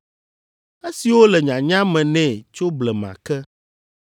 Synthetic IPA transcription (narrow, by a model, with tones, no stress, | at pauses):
e˦si˨wo˦lɛ˨ɲã˨ɲã˦mɛ̃˨nɛ̃˨t͡ʃo˦blɛ˨mã̰˨kɛ˦